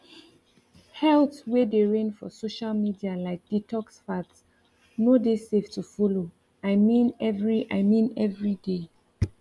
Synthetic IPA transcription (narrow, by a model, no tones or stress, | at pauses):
hɛltwɛdeɹẽnfɔ̰soʃalmidialaɪk̚d̥itɔksfats | nodeseftufɔlo | aɪmĩnɛvɹiʔaɪmĩnɛvɹide